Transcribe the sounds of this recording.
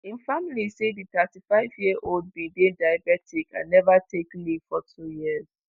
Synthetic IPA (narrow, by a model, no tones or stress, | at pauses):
ĩnfamilisedit̪atifaɪvjiəʔold̚bĩdedajabɛtʰikʰa̰nɛvatʰekliv̥fɔtʰujiəz